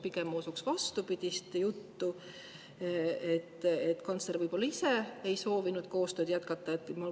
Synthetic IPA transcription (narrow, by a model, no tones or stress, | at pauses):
pikemosuksvɑst̪upid̪̥ʲist̪jut̪ːu | et̪ːet̪ːkɑnsle̞ɾvɯjbo̞lːɑise̞ejso̞ːvinud̪̥ko̞ːst̪øːd̪̥jæt̪kɑt̪ːˑɑet̪ːmul